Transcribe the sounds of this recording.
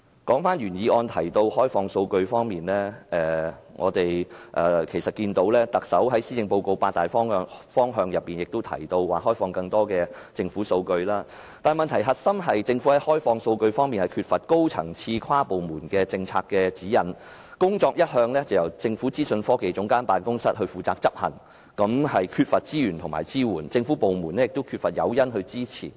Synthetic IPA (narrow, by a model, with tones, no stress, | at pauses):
kɔː˨˥ŋfaː˥nɥyː˨˩njiː˨˧ʔɔː˧nt̪ʰɐ̰˨˩jt̪o˧whɔː˥jfɔː˧ŋso˧wkɵ˧ɥfɔː˥ŋmiː˨˩nlɛː˥ʔɛː˨ŋɔː˨˧t̪e˨jʔɛː˨˩kʰe˨˩jsɐ˨t̚kiː˧nt̪o˨˥wlɛː˥t̪ɐ˨k̚sɐ˨˥wɦɐ˨˥jsiː˥t͡sɪ˧ŋpo˧wko˧wpaː˧t̪aː˨˩jffɔː˥ŋɦœː˧ŋjɐ˨p̚ːiː˨˩njɪ˨k̚t̪o˥wt̪ʰɐ̰˨˩jt̪o˧wwaː˨hɔː˥jfɔː˧ŋkɐ˧ŋt̪ɔː˥kɛː˧ | t͡sɪ˧ŋfuː˨˥so˧wkɵ˧ɥlaː˥ | t̪aː˨nmɐ˨nt̪ʰɐ˨˩jɦɐ˨t̚sɐ˥mɦɐ˨jt͡sɪ˧ŋfu˨˥hɐ˨˥jhɔː˥jfɔː˧ŋso˧wkɵ˧ɥfɔː˥ŋmiː˨nhɐ˨jkʰyː˧t̚fɐ˨t̚ko˥wt͡sʰɐ̰˨˩ŋt͡sʰiː˧kʰwaː˥po˨wmuː˨˩nkɛː˧t͡sɪ˧ŋt͡sʰa̰ː˧kːɛː˧t͡siː˨˥jɐ˨˩nkʊ˥ŋt͡sɔː˧k̚jɐ˥t̚hœː˧ŋlɛː˥t͡sɐ˨wjɐ˨˩wt͡sɪ˧ŋfuː˨˥t͡siː˥sɵ˧nfɔː˥ke˨˧jt͡sʊ˨˥ŋkaː˥npaː˨nkʊ˥ŋsɐ˥t̚ɦɵ˧ɥfuː˨t͡saː˧k̚t͡sɐ˥p̚hɐ̰˨˩ŋ | kɐ˨˥mhɐ˨jkʰyː˧t̚fɐ˨t̚t͡siː˥jyː˨˩nt̪ʰʊ˨˩ŋma̰ː˨˩jt͡siː˥wuː˨˩nt͡sɪ˧ŋfu˨˥po˨wmuː˨˩nɛ˥jɪ˨k̚t̪o˥wkʰyː˧t̚fɐ˨t̚jɐ̰˨˧wjɐ˥nɦɵ˧ɥt͡siː˥t͡sʰḭː˨˩